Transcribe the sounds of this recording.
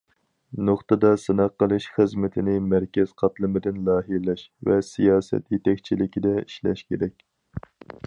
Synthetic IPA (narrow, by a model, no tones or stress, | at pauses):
noχt̪ɨd̪ɑsɨnɑqːəlˠɨʃχəzmɪt̪ʰɪnɪmæɾkʲɛz̥qʰɑt̪lˠɨmɪd̪ɪnlˠɑːɦiɾlɛʃvɛsijɑːsɛ̰t̪jet̪ɛkʲt͡ʃʰilɪkʲid̪ɛiʃlɛ̰ʃkʲeɾɛkʲ